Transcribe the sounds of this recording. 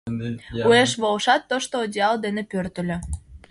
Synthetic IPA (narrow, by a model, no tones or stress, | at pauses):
ueʃβolʃɑt̪ːoʃt̪oːd̪ʲeɑld̪enepørt̪ə̆lʲø̆